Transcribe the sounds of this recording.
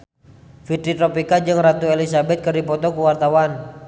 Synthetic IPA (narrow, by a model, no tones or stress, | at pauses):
fit̪ɾit̪ɾɔpikad͡ʒɨŋrat̪uelisabɛt̪̚kərdipɔt̪ɔkuwart̪awan